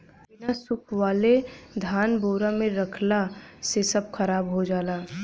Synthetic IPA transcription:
ɪnasʊkʰwaːled̪ʱaːnboːɾamẽɾəkʰlasesəb̚kʰəɾaːbɦod͡ʒaːlaː

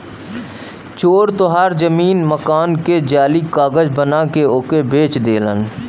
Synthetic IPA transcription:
t͡ʃoːɾt̪oɦaːɾzəmiːnməkaːnked͡ʒaːlikaːɡəd͡ʒbənakeoːkebeːt͡ʃd̪eːlə̰n

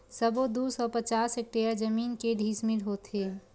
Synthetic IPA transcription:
səbod̪usɔpət͡ʃaːsek̚ʈejəɾd͡ʒəmiːnkeɖʱiːsmilɦot̪ɦe

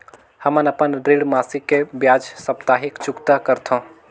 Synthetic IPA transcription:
həmənəpənɖɾeɽmaːsikːebjaːd͡ʒsəpt̪aːɦɪkt͡ʃʊkt̪akəɾt̪ʰõ

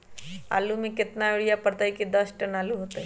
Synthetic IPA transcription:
a̰ːlumẽkɪt̪naeɽijapəɾt̪aɦɛkid̪ɐsʈɐnaːluɦoːt̪aɦɛ

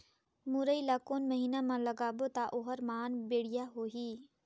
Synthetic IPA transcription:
muɾəilakoːnməɦiːnamãləɡaːbot̪aʔoɦəɾmaːnbeːɽɪjaɦoːɦiː

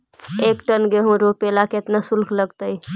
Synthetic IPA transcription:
eːkʈənɡeɦõɾopelaket̪nasulkʰləɡt̪əj

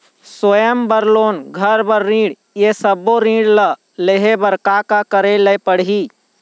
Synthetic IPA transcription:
swəjəmbəɾloːnɡʱəɾbəɾːĩːɽ | jesəboɾĩːɽlə | leɦebəɾkakakəɾeləpəɽɦiː

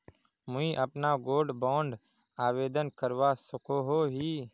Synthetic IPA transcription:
mʊĩːʔəpnaːɡoːɖbõːɳɖ | aːʋeːd̪ənkəɾʋaːsəkoːɦoːɦiː

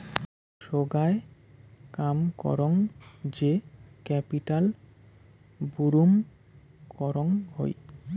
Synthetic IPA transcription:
ʃoɡae | kamkɔ̰ɾoŋd͡ʑekɛpiʈal | buɾum | kɔɾoŋho̰j

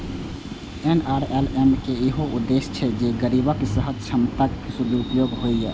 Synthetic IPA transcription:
enaːɾelemkeeɦoʔʊd̪ːeʃt͡ʃʰɛd͡ʒeɡəɾibakesəɦəd̪̚t͡ʃʰəmt̪əkʰsud̪iupjoːɡɦoijɛ̰ː

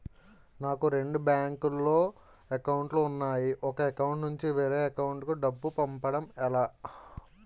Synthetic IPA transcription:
naːkuɾe̞ɳɖubjaːŋkulːoː | ekɐwuɳʈluːnːaːjiʔɔkɐekɐwuɳʈnuɲt͡ʃiʋeːɾeːɐkɐwuɳʈkuɖɐbːupɐmpɐɽɐmɛlaː

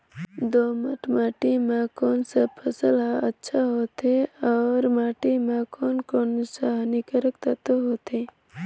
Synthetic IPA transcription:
d̪oːməʈʰmaːʈimẽkoːnsapʰəsəlɦaətːʃʰaɦoːt̪eɔːɾmaːʈimẽkoːnkoːnsaɦnikəɾəkt̪ət̪oɦoːt̪e

